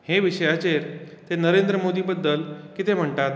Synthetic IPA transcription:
heʋiɕəjat͡ɕeɾ | t̪enəɾend̪ɾəmod̪iːbəd̪ːəlkit̪em̤əɳʈ̪at̪

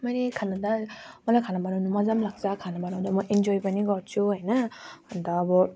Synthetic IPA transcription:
majnikʰanadamɔlakʰanabanɔwnumazamlak̚zakʰanapanɔwdamɔʔend͡ʒɔjbaniɡɔt͡ʃuɦajnandaːbɔ

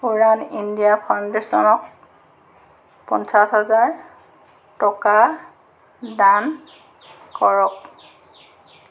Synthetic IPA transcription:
puɹanindijapʰandesɔnɔk̚ | pɔnsasɦazaɹ | tɔka | dan | kɔɹɔk

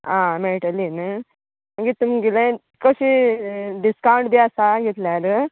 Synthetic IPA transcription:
ãmeɽʈəlinə | məɡit̪um̤ɡelẽ | kəɕiɖiskawuɳʈbʱiasaɡʱet̪laɾə

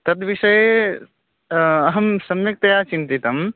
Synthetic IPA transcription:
t̪ɐt̪ʋiʃɐje | ɐɦɐmsɐmjɐk̚t̪ɐjaːt͡ʃint̪it̪ɐm

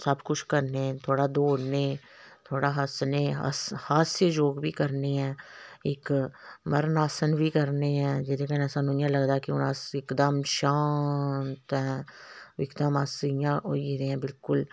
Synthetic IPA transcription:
səbkʊt͡ʃʰkəɾneɛ̃t̪ʰoːɽad̪oːneː | t̪ʰoːɽaːɦəsneɦə̰shaːsed͡ʒoːɡbʱikəɾneɦɛ̃ːɪkməɾnaːsənbʱiːkəɾneɦɛ̃ːd͡ʒɛd̪ekɛnɛsənʊjãləɡd̪akiʊnaːsɪkd̪əmʃaːnt̪ɦɛ̃ | ɪkd̪əmaːsjãoiɾeɛ̃ːbɪlkʊl

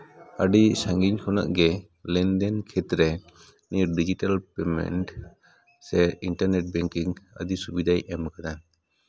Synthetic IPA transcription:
aɖisaŋɡiɲkʰɔna̰ʔɡɛ | lɛnd̪ɛnkʰɛt̪ɾɛ | niɾɖid͡ʒiʈalpɛmɛ̰nʈ | sɛinʈaɾneʈ̚bɛŋkiŋə̰d̪isubid̪ʱajʔɛmkana

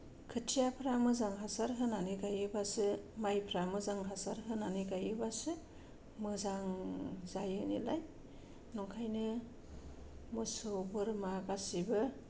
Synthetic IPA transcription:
kʰɯtʰijapʰɾamɯzaŋɦasaɾɦɯnaniɡajɯbasɯmajpʰɾamɯzaŋɦasaɾɦɯnaniɡajɯbasɯ | mɯzaŋzajɯnḭlaj | nɔŋkʰajnɯ | mɯsɯbɯɾmaɡasibɯ

